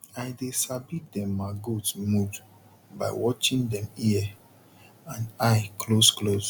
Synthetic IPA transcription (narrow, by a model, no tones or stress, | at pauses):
aɪdesabit̚dɛ̃mːaɡodsmud | ba̰ɪwɔt͡ʃĩndɛ̃miɛ | ãnaɪkʰlosklos